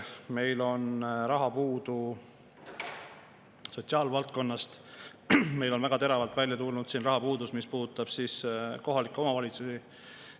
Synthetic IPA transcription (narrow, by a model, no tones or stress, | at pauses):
me̞jlo̞nɾɑɦɑpuːd̪u | so̞t̪ʲsiɑːlvɑlt̪̚ko̞nːɑst̪ | me̞jlo̞nvæɡ̥ɑt̪e̞ɾɑvɑlt̪vælʲjɑt̪ulnud̪̥siːnrɑɦɑpuːd̪usmispuːd̪ut̪ːˑɑb̥siːsko̞ɦɑlikːˑo̞mɑvɑlʲit̪susi